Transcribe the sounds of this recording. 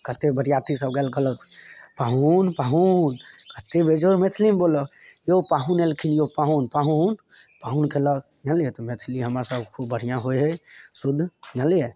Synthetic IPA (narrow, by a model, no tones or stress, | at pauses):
kət̪ebəɽijat̪isəb̚ɡalkələt̪ | paɦunpaɦunkət̪ebʱed͡ʒomet̪ʰlimbolɔjopaɦunelkʰinjopaɦunpaɦunpaɦunkeləɡ | naljet̪ɔmet̪ʰliɦəmɾasəbkʰobəɽ̤ijãɦojɦesud̪ʱːnalje